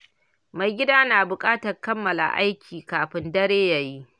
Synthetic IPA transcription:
ma˨jɡʲɪ˦daː˦naː˨bʊ˨kʼaː˦tɐ˨rkɐ˦mːɐ˨la̰˨ʔa̰˦jkʲʰiː˨kaː˨ɸɪ˦ndɐ˦ɽeː˦ja˨ji˦ʔ

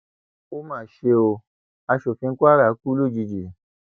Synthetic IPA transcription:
o˦mãː˨ʃe˧o˧ | a˧ʃo˨fĩ˧˦kʷa˦ɾa˦˨˦ku˦lu˦˨d͡ʒi˧d͡ʒi˨

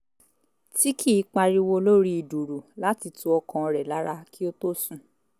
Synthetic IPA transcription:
ti˦ki˦˨˦k͡pa˧ɾi˧wo˧lo˦ɾi˦i˨du˨ɾu˨la˦ti˧tũ˧˦ɔ˧kã˧ɔ˧ɾɛ˨la˨˦ɾa˧ki˦o˦to˦sũ˦˨

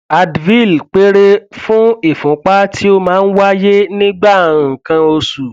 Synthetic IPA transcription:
a˧dvi˦˨lk͡pe˦ɾe˦fũ˦i˦˨fũ˨˦k͡pa˦tʰi˦o˦mãː˦n̩˦wa˦je˦nĩ˦ɡ͡bã˦˨kã˧o˧su˨

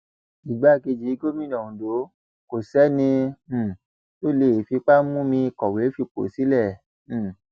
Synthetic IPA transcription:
i˨ɡ͡ba˨˦˨ɡe˧d͡ʒi˨˦i˦ɡo˦mĩ˦nɔ̃˨ũ˨do˨˦ | ko˨sɛ˨˦nĩ˧˨ | to˦le˦˨fi˧k͡pa˦mũ˦mĩ˧i˧kɔ˨we˨˦fi˧k͡po̰˨si˨˦lɛ̃˦˨

